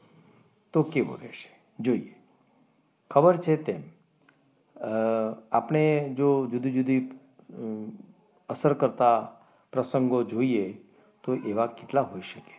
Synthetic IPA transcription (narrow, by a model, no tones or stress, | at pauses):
t̪okebo̰leʃe̥ | d͡ʒoie | kʰəbəɾt͡ʃʰet̪em | apɳed͡ʒod͡ʒud̪ʱid͡ʒud̪ʱi | əsəɾkəɾt̪a | pɾəsəŋɡod͡ʒoie | t̪oʔeʋakeʈlaɦoiʃəke̥